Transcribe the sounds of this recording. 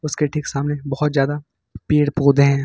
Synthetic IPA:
ʊskeʈʰiksaːmnebɐɦʊt̪zjaːd̪a | piːɽpoːd̪ʱeɦɛ̃ː

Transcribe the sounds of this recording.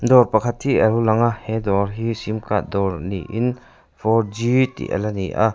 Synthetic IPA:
d̪ɔɾpɐkʰɐt̪̚hiʔɐɾulaŋahɛd̪ɔɾɦisimkaʔd̪ɔɾniʔin | fʰɔɾd͡ʒit̪ḭʔə̰laniʔa̰

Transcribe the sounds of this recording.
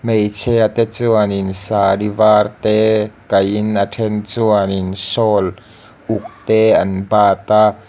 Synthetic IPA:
mejt͡sʰɛat̪ɛt͡suaninsaːdivaːrt̪ɛkɐjinatʰɛnt͡suaninsɔːl | ʔʊk̚t̪ɛʔɐnbaːt̪a

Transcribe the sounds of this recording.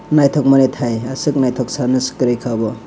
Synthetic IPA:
najtʰɔk̚manetʰajasɯk̚najtʰɔk̚sanɯskɯɾijkʰabɔ

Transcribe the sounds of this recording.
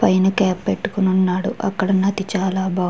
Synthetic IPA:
pɐjnɐkaːpːeʈːu̥kununːaːɽuʔɐ̰kːɐɽɐnːɐt̪it͡ʃaːlaːbʱaː

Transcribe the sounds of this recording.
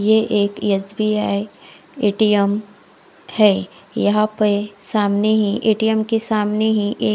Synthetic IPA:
jeʔeːkjɐd͡ʒbiaːi | eːʈijəm | hɛːjɐɦãpesaːmneɦĩʔeːʈijəmkesaːmneɦĩʔeː

